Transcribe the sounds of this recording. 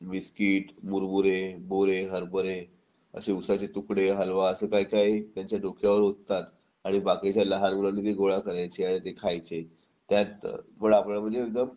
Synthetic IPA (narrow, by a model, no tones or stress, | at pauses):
miskiːʈmuɾmuɾeboɾeɦəɾbəɾe | ə̰seusat͡ɕet̪ukɽeɦəlʋaəsəːkajkajt̪jaɲt͡ɕjaɖokʰjaʋəɾɦot̪t̪at̪ | aɽ̃ibaket͡ɕjaləɦanɡuɭanːiːt̪eɡoɭakəɾajt͡ɕeaɽ̃it̪ekʰajt͡se | t̪jat̪məɽapnam̤ənd͡zeːk̚d̪əm